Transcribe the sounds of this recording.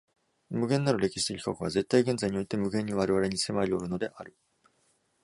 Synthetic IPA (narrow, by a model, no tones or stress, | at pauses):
mɯ̟ɡẽnːaɾɯ̟ɾe̞kʲi̥ɕi̥sɨkʲi̥kokɯ̟βaze̞t̪ːaiɡẽ̞nd͡zaiɲ̟io̞it̪e̞mɯ̟ɡẽ̞ɲ̟ːiβ̞aɾe̞βaɾe̞ɲ̟ise̞maɾʲio̞ɾɯ̟no̞d̪e̞ʔaɾɯ̟